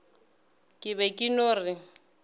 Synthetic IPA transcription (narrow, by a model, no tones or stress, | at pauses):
kʼɪbɛkʼɪnʊːrɪ